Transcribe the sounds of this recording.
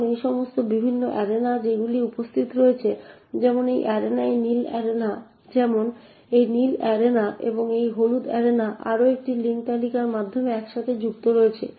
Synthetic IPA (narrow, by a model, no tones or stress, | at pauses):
nejʃɔmost̪obibʱinːoʔɛɾenad͡ʑeɡuliupost̪ʰit̪ɾoet͡ɕʰed͡ʑɛmonejʔɛɾenaenilɛ̰ɾena | d͡ʑɛmon | ejnilɛɾenaʔḛboŋejɦolud̪ɛɾenaʔa̰ɾoek̚ʈiliŋk̚t̪alikaɾmad̪ʱːomeɛkʃat̪ʰed͡ʑukt̪oɾoet͡ɕʰḛ